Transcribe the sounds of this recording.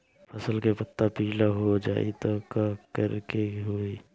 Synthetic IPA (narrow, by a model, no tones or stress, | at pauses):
pʰɐsəlkepɐt̪ːapilaɦod͡ʒa̰ːḭt̪okakəɾkeɦoi